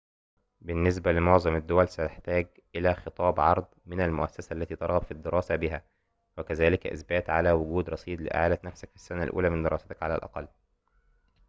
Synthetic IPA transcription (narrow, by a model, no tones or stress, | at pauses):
bɪnːes̬bælɪmoʕzˤɑmæd̪ːowælsæt̪eħt̪æːɡ | ʔɪlæːxet̪ˤɑːbʕɑɾˤd̪ˤmɪnælmʊʔæsːæsæʔlːæt̪iːt̪ɑɾˤɣɑbfid̪ːeɾʔɑːsæbɪɦæː | wækæzæːlɪkʔɪ̰sbæːt̪ʕalæwʊɡuːd̪ɾˤɑsˤiːd̪lɪ̰ʔa̰ʕaːlæt̪næfsækfi̥sːænælʔṵːlæːmɪnd̪eɾɑːset̪æ̥kʕalæ̰lʔɑ̰qɑlː